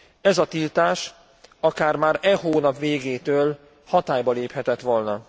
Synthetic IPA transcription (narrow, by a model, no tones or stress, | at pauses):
ɛzɒt̪ilt̪aːʃ | ɒkaːrmaːɾɛɦoːnɒpʋeːɡeːt̪øːl | hɒt̪aːjbɒleːphɛt̪ɛt̪ʋo̞lnɒ